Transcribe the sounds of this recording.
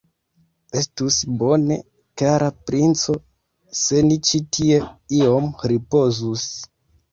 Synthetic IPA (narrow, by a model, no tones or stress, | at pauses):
e̞stusbo̞ne̞̰ | kaɾapɾint͡so̞ | se̞nit͡ʃitʰie̞io̞mɾipo̞zus